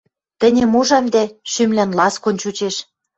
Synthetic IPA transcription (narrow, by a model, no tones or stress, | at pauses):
t̪ə̆nʲĕmuʒɑmd̪æʃymlænlɑskonʲt͡ɕut͡ɕeʃ